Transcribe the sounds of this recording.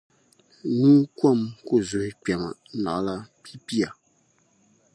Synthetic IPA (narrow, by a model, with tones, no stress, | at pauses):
nũ˦kɔ˦˨mko˦˨zu˨ɪ˦k͡pa˨ma̰˨˦na̰˨˦la˦pi˦pi˦a˨